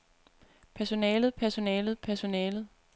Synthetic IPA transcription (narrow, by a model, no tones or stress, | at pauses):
pʰæɐso̝nɛːlð̞̩ˠpʰæɐso̝nɛːlð̞̩ˠpʰæɐso̝nɛːlð̩ˠ